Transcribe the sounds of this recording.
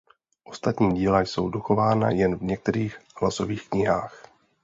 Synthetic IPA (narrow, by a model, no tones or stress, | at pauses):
ʔo̞st̪at̪ɲiːɟiːlajso̞̰wdoxo̞vaːna̰jɛnvɲɛk̚t̪ɛɾiːxhlaso̞viːxkɲɪɦaːx